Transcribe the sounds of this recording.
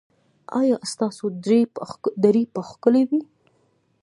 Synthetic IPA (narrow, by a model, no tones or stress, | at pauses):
ɑ̰jɑst̪ɑsodɾed̪aɾipəxkəlewi